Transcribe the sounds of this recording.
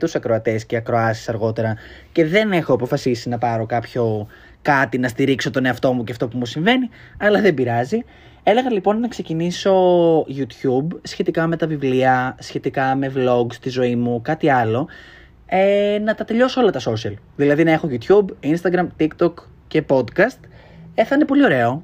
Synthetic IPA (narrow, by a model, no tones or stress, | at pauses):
t̪usɐkɾo̞ɐt̪e̞sce̞ɐkɾoɐsi̥sɐɾɣo̞t̪e̞ɾɐce̞ðe̞nexo̞ɐpo̞fɐsisinɐpɐɾo̞kɐpço̞ | kɐt̪inɐst̪iɾikso̞t̪o̞ne̞ɐft̪o̞muceɐft̪o̞pumusiɱve̞ni | ɐlɐðe̞biɾɐzi | e̞le̞ɣɐlipo̞nːɐkse̞ciniso̞ʝut̪çubsçe̞t̪ikɐme̞t̪ɐvivliɐsçe̞t̪ikɐmevlo̞ɡst̪izo̞imukɐt̪iɐlo̞ | enɐt̪ɐt̪e̞ʎo̞soo̞lɐt̪ɐso̞sɐl | ðilɐðinɐe̞xo̞ʝut̪çubinst̪ɐɡɾɐmt̪ikt̪o̞k | ce̞po̞d̪kɐst̪ | eθɐinepo̞lio̞ɾe̞o̞